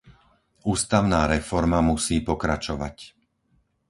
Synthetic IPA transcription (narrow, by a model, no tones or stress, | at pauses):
uːst̪aʊnaːɾɛfɔɾmamusiːpɔkɾat͡ʃɔʋa̰c